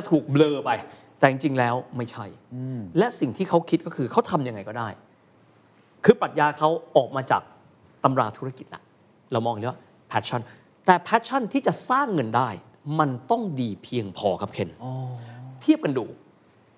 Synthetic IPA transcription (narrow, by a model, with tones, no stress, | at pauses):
t͡ɕa˧˩t̪ʰuː˨˩k̚mlɤː˧pa˧j | t̪ɛː˨˩t͡ɕi˧ŋt͡ɕi˧ŋlɛː˦˥wma˥˩jt͡ɕʰa˥˩jlɛ˦˥ʔsi˨˩ŋt̪ʰiː˥˩kʰa˦˥wkʰi˦˥t̪̚kɔː˥˩kʰɯː˧kʰa˦˥wt̪ʰa˧mja˧ŋa˧jkɔː˥˩daː˥˩j | kʰɯː˧pɾa˨˩t̪̚jaː˧kʰa˦˥wʔɔː˨˩k̚maː˧t͡ɕa̰ː˨˩k̚ | t̪a˧mɾaː˧t̪ʰu˦˥ɾa˥˧˩ki˨˩t̪̚na̰˦˩ | ɾa˧wmɔː˧ŋ˨˦wa˥˩ | pʰɛː˦˥t̪̚t͡ɕʰa˥˩n | t̪ɛː˨˩pʰɛː˦˥t̪̚t͡ɕʰa˥˩nt̪ʰiː˥˩t͡ɕa˨˩ʔsaː˥˩ŋːɤ˧ndaː˥˩j | ma˧nt̪ɔ˥˩ŋdiː˧pʰi˧əŋpʰɔ̰ː˧kʰa˦˥p̚kʰe˧n | t̪ʰi˥˩əp̚ka˧nduː˧